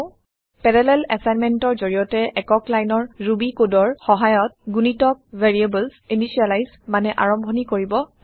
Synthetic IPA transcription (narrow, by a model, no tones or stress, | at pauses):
pɛɹɛlɛlɛsajnmɛntɔɹzoɹijɔtɛʔɛkɔklajnɔɹɹubikodɔɹxɔɦajɔt̚ɡunitɔk̚veɹiebɛlsimisialajz | manɛʔa̰ɹɔmbʱɔnikoɹibɔ